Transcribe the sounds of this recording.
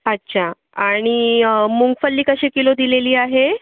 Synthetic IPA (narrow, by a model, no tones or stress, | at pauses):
ətːɕʰa | aɽ̃imuŋɡfəlːiːkəɕekilod̪ileliːaɦe